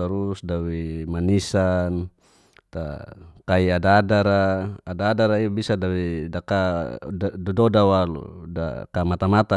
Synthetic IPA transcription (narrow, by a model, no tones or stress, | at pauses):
aɾusdawimanisan | t̪a̰kaiadaːdaɾaːdaːdaɾaibisadawidaka | dɔdɔdawal̰da̰kamat̪amat̪a